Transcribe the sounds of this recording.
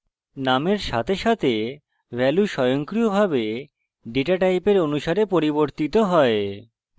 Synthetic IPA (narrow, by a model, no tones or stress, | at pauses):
nameɾʃa̰t̪ʰeʃat̪ʰe | bʱɛluʃɔjoŋkɾijobʱabe | ɖeʈaʈajpeɾonuʃaɾepoɾiboɾt̪it̪oɦɔe